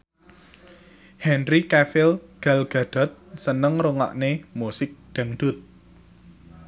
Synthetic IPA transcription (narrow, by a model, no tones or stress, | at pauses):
hɛnrikɛfɪlɡ̥alɡ̥a̤d̪̥ɔ̤t̪̚sənəŋroŋa̰ʔnemusɪk̚ɖ̪̥a̤ŋd̪̥ʊt̪̚